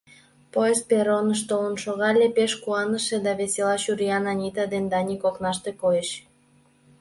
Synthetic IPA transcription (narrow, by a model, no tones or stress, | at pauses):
poespeɾonəʃ̬t̪olənʃoɣɑlʲepeʃkuɑnəʃed̪ɑβeselɑʃuɾʲiɑnɑnʲit̪ɑd̪end̪ɑnʲikoknɑʃt̪ekojeʃ